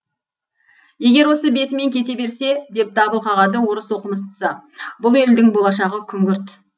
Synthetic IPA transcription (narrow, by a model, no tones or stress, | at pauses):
je̞ɡʲe̞ɾwo̞səbe̞t̪ɪme̞ŋkʲʰe̞t̪e̞be̞ɾse̞d̪e̞p̚d̪ɑbəlˠqɑʁɑd̪əwoɾəswo̞qəməst̪ə̥səbʊlˠe̞ld̪ɪŋbo̞lˠɑʃ̬ɑʁəkʲʰʏŋɡʲʏɾt̪